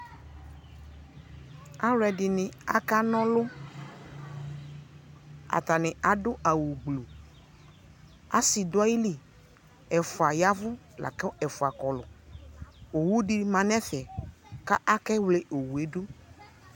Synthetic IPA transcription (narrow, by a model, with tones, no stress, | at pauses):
a˦ɾɛ˨dɪ˨nɪ̃˨a̰˦ka˦nɔ̃˦lo˦ | a̰˨t̪a˨nɪ̃˨a˨ɖʊ˦a˨wu˨ɡ͡blo˨ | a̰˦si˨dʊ˦a˦ji˦li˦ | ɛ˨fʊ˨a˨ja˦vʊ˦ | la̰˨kɛ˦ɛ˨fʊ˨a˨kɔ˨lʊ˨ | o˨wu˦ɖi˨mã˨nɛ̃˦fɛ˨ka˦ʔa˦kɛ˦wle˦ʔo˨wu˨e˦ɖu˦